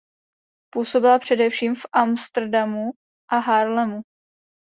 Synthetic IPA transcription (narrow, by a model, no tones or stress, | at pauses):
puːso̞bɪlapr̝̥ɛdɛfʃiːmfʔamst̪r̩damu | ʔaɦaɾlɛmu